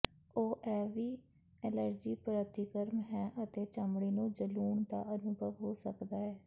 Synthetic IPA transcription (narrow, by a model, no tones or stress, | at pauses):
oːʔɛːʋiː | ɛləɾd͡ʒiːpəɾət̪ʰiːkəɾmɦɛ̃ːʔət̪eːt͡ʃəmɽiːnũːd͡ʒəluːɳd̪a̰ːʔənʊbʱəʋɦoːsəkd̪aːɛː